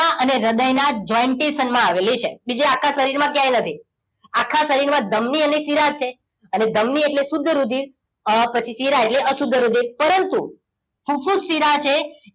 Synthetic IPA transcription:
aəneɾəd̪əjnad͡ʒɔiɳʈesənmãaʋelit͡ʃʰebid͡ʒeakʰːasəɾiɾmãkjãjnət̪ʰi | akʰːasəɾiɾmãd̪əmniənesiɾat͡ʃʰe | əned̪əmnieʈlesʊd̪ʱːəɾud̪ʱiɾ | əpət͡ʃʰisiɾaeʈleʔəsud̪ʱːəɾud̪ʱiɾpəɾənt̪u | kʰufusːiɾat͡ʃʰe

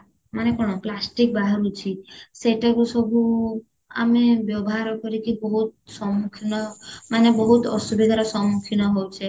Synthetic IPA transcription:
manekɔɽ̃ɔplasʈik̚baɦaɾut͡ʃʰiseʈakusɔbʱu | a̰mebjɔbɔɦaɾɔkɔɾikibɔɦut̪̚sɔmukʰinɔmanebɔɦut̪ɔsubʱid̪ʱaɾɔsɔmukʰinɔɦowt͡ʃʰe

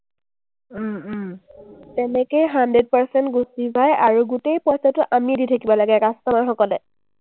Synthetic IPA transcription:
tɛnɛkejɦandɹed̚paɹsɛntɡusizajaɹuɡutejpɔjsatʊʔamiditʰakibɔlaɡɛkastɔmaɹxɔkɔlɛ

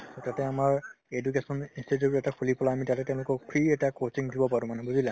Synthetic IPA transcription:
totatɛamaɹedukesɔninsituɛtakʰulipɔlaamitatɛtɛ̃ʊ̃lʊkɔɹpʰɹiɛtakot͡ʃiŋdʱibɔpaɹũmanɛbuzilɛ

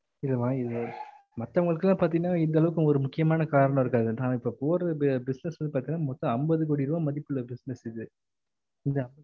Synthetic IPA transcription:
ɪlːɐmaːɪðɯ | mɐt̪ːɐʋɐŋɡɐɭɯkːɯlːãːpaːɾt̪̬iŋɡɐnːaːɪnd̪ɐlɐʋɯkːɯ̃ɔɾɯmʊkːɪjɐmaːnɐkaːɾɐɳɐ̃ɪɾɯkːaːðɯnãːɪpːoːpoːɾɐbbɪsnɛsʋɐnd̪ɯpaːɾt̪iŋnːaːmɔt̪ːɔ̃ɐmbɐðɯk̬oːɽiɪɾɯʋaːmɐðɪpːɯɭːɐbɪsnɛsɪðɯ | ɪnd̪ɐɐmb

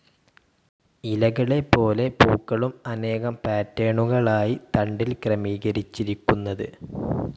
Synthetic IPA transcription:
ilɐɣɐɭe̞pːo̞ːle̞puːkːɐɭumɐne̞ːɣɐmpaːtːeːɳuɣɐɭaːjit̪ɐɳɖilkrɐmiːɣɐɾit͡ɕːiɾikʲːunːɐðɨ

